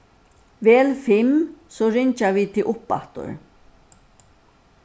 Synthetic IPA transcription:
vɛːlfɪmsɔɾɪɲt͡ʃavit̪ʰɪlʔʊpːa̰ht̪ʊ̰ɾ

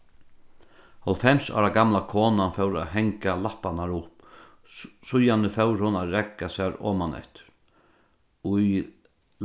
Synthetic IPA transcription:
hɔlfɛmsɔ̰ːɾaɡamlakʰɔːnanfœwɾa̰ɦɛŋkalahpanaɾʊp | sʊjanəfɛwɾhʊnaɾɛkːasaɾɔ̰ːmanɛ̰ht̪ɪ̥ɾ | ʊj

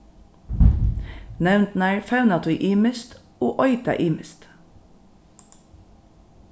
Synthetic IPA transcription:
nɛʋnt̪næːɹfæʉnɑt̪ʰʉʏʔiːməst̪ | oːʔɔʏt̪ɑ̰ʔiːməst̪

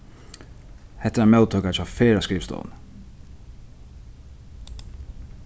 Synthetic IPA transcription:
hɛt̪ːəɾamɛʊt̪ʰuːkat͡ʃafeːɾaskɹiːst̪ɔ̰ːn

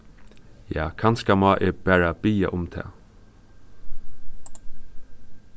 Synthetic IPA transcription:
ja̰ːkʰanskamɑːʔɛpæːɹabiːa̰ʔʊmt̪ʰɛ̰ː

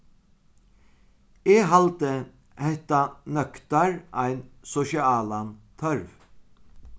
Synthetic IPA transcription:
eːɦalt̪ə | hɛht̪anœkt̪aɹʔaɪnsɔʃiaːlant̪ʰœɹʋ

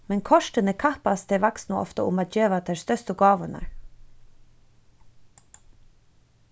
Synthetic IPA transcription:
mɛnkʰɔʃʈənəkʰɑpɑsd̪ʰeːʋɑksnuʔɔ̰ft̪ə̰ʔʊ̰mɑːt̪̚d͡ʒøːʋɑt̪ʰɛst̪œst̪əɡɑːʋənə̰

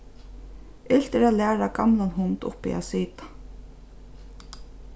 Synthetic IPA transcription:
ɪl̥t̪ɛɾalæːɾakamlanɦʊnt̪ʊ̰pɪ̰a̰siːt̪ḁ

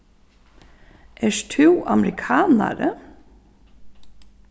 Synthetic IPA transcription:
ʔæːʃtʰʉːʔɑmɾɪkʰɑːnɑ̰ɾə

